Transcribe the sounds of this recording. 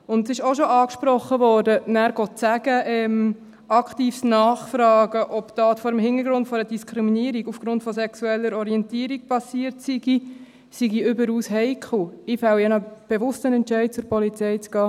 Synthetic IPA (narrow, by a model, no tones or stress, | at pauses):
ʊndsɪʃoʃoɑːkʃpɾɔχːəʋɔːɾdənæːɾɡɔtsæɡ̥əʔɛm | ɑkχtiːfsnɑːχfɾɑːɡəʔɔptɑːtfɔɾəmhɪnəɾɡɾʊndfɔɾədiskʰɾiminiəɾiɡufɡ̥ɾʊntfɔsɛksuɛlːəɾɔɾiɛntiəɾik̚pɑsiəɾtsiɡi | siɡiʏbəɾuːsɦɛɪkʰl̩ɪfɛwɛnəb̥eʋʊstənɛntt͡ʃɛɪt̚t͡sʊɾpɔlit͡sɛɪt͡sɡ̥ɑː